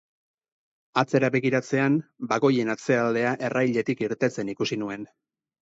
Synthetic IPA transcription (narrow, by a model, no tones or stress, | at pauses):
at͡se̞ɾaβe̞ɣiɾat͡se̞anbaɣo̞je̞nat͡se̞ald̪e̞aʔe̞rajʎe̞t̪ikiɾt̪e̞t͡se̞nikusinue̞n